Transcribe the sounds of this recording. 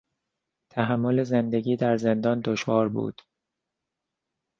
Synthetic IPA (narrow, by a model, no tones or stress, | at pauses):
t̪ʰæɦæmːo̞le̞zend̪e̞ɟiːd̪æɾze̞nd̪ɒːnd̪oʃvɒːɾbṵːd̪̥